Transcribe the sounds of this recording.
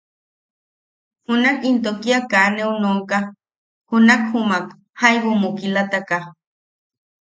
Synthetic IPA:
hunakint̪okiakaneunoŋka | hunakhumak | hajwumukilat̪aka

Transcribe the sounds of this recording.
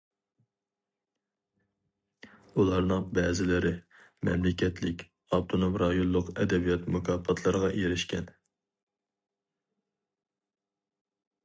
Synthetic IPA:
ulˠɑɾnɨŋbɛːzɪlɪɾɪ | mɛ̰mlɪkʲʰɛt̪ʰlɪkʲ | ɑb̚t̪ʰonomɾɑjollˠːʊqɛd̪ɛbijɑt̪mukʰɑːpʰɑt̪ʰlˠɨɾəʁɑjeɾɪʃkʲɛn

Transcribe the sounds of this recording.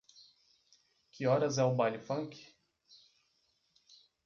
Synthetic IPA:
kɪɔɾɐzɛʊbalʊfɐ̃ŋkɪ̥

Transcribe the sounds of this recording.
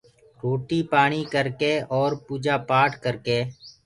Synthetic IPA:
ɾoːʈiːpaːɳ̃iːkəɾkeːʔɔːɾpuːd͡ʒaːpaːʈʰkəɾkeː

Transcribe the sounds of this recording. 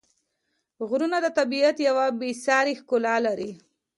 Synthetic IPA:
ɣɾunad̪ət̪abiat̪jawabisɑɾixkʊlalaɾi

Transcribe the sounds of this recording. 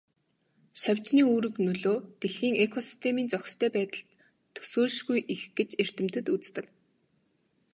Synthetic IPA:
ʃawʲt͡ɕniːuːɾɘ̆knɵɮoːt̪eɮxiːŋekʰɔsi̥st̪ʰemiːnt͡sœxʲst̪ʰœːpæːt̪ə̆ɬt̪ʰː | ɵ̥soːɮʃɣujʔixɡ̥et͡ɕer̥t̪ɘ̆m̥t̪ɘ̆t̪ut͡st̪ɘ̆k

